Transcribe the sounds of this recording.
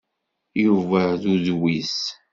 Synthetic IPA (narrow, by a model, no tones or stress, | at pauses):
juvæðuðwis